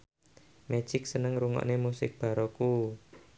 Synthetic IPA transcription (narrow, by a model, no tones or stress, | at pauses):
mɛ̥d͡ʒ̥ɪk̚sənəŋɾuŋɔ̰ʔnemusɪk̚b̥a̤ɾɔku